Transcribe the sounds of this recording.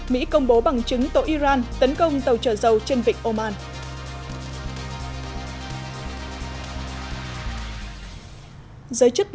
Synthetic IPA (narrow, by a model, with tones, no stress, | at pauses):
mḭ˧˥kə˧wŋ͡mɓo˨˦ɓa˨˩ŋt͡ɕɨ˨˦ŋt̪o̰˧˨˩ʔi˧zaː˧nt̪ə˨˦nkə˧wŋ͡mt̪ə˨˩wt͡ɕəː˧˩zə˨˩wt͡ɕe˧nvï˨ŋ̟ʔo˧maː˧n | zəː˨˦jt͡ɕɨ˦˥t̚